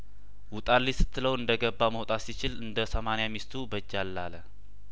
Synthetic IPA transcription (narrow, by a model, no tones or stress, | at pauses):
wʊt̪ʼalːisɨ̥t̪ʰːɨləwɨnd̪əɡəbːaməwot̪ʼasit͡ʃɪlɨnd̪əsəmanijamist̪ʰubəd͡ʒːalːalə